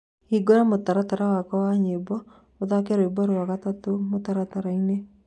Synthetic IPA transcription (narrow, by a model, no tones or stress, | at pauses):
iɡɔɾamotaɾataɾawakɔwaɲebɔ | od̪akɛɾɔibɔɾowaɡat̪ɔt̪omot̪aɾataɾaine